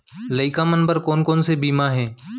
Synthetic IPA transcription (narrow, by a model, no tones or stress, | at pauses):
ləɪkamənpəɾkoːnkoːnsebiːmaɦɛ̃ː